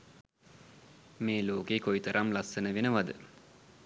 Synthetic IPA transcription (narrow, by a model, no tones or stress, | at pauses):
meːloːkeːkoit̪əɾʔamlasːənəʋenəʋad̪ə